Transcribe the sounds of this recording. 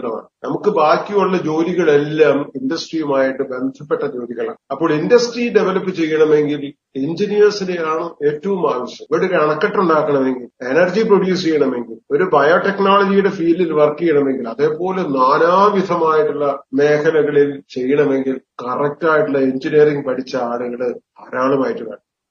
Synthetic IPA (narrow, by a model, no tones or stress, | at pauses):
ɽɐma̰ːɳɨnɐmukːɨbaːkːioɭːɐd͡ʑo̞ːliɣɐɭelːaːmindɐsʈrijumaːjiʈːɨbe̞nd̪ʱɐpːeʈːɐd͡ʑo̞ːliɣɐɭa̰ːɳɐpːo̞ːɭindɐsʈriɖeʋɐlɐpːɨt͡ɕe̞jːɐɳɐme̞ŋɡil | eɲd͡ʑinijɐrsine̞jaːɳɨe̞ːtːɐʋumaːʋɐɕjɐmʋeɽuɾɐɳɐkːɐʈːuɳɖaːkːɐɳɐme̞ŋɡile̞nɐrd͡ʑiproɽjuːst͡ɕejːɐɳɐme̞ŋɡilo̞ɾubɐjoʈe̞knaːlɐd͡ʑijuɽe̞fiːlːilʋɐrkːijɐɳɐme̞ŋɡilɐðe̞ːpo̞ːlenaːnaːʋid̪ʱɐmaːjiʈːuɭːɐme̞ːkʰɐlɐɣɐɭilt͡ɕe̞jːɐɳɐme̞ŋɡilkɐrɐk̚tːaːjiʈːulːɐeɲd͡ʑiniɐɾiŋɡpɐʈʰit͡ɕːɐaːɭuɣɐɭɨɐɾaːɳumaːjiʈːukɐ̰ɳːɐ